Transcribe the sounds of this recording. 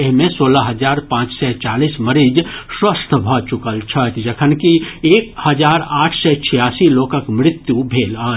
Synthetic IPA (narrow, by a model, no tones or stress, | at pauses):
eɦmẽsoːlaɦəd͡ʒaːɾpãːt͡ʃsɛt͡ʃaːlisməɾid͡ʒswəst̪ʰbʱɔt͡ʃʊkəlt͡ʃʰət̪d͡ʒəkʰənkieːkhəd͡ʒaːɾaːʈʰsɛt͡ʃʰijaːsiloːkəkmɾɪt̪jubʱeːlaː